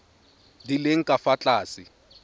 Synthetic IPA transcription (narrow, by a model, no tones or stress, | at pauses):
dileŋ̩kʼafat͡ɬʼaːsɪ